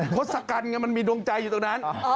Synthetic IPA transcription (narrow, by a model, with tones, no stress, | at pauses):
o˦˥t̪̚sa˧ka˧nŋa˧˥˩ma˧nmiː˧do˧ŋt͡ɕa˧jːuː˨˩t̪o˨˩ŋna˦˥n